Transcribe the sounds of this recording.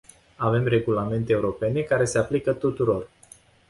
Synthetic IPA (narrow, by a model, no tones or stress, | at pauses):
ave̞mre̞ɡulame̞nt̪eːuɾo̞pe̞ne̞kaɾe̞se̞aplikət̪ut̪uɾo̞r